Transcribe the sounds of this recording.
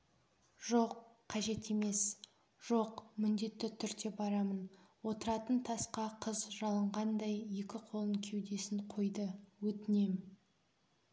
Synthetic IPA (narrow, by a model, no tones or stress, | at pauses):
ʒ̥o̞qːʰ | ɑʒe̞t̪e̞me̞s | ʒ̥o̞qmʏnd̪e̞t̪ːɪt̪ʰʏɾd̪e̞bɑɾɑmənwo̞t̪əɾɑt̪ənt̪ʰɑsqɑqʰəzʒɑlˠəɴʁɑnd̪ɑjje̞kʲɪqʰo̞lˠəŋkʲʰe̞wd̪e̞sɪɴqʰo̞jd̪əwɵt̪ɪne̞mɪ